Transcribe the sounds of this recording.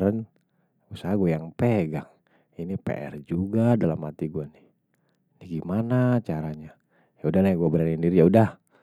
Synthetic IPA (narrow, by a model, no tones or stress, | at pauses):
ɾən | usaɦaɡuajaŋpeɡaŋ | inipḛʔɛ̰rd͡ʒuɡadalamhat̪iɡuanih | niɡimanat͡ʃaɾaɲa | jaudahlajaŋɡuabəɾanindiɾijaudah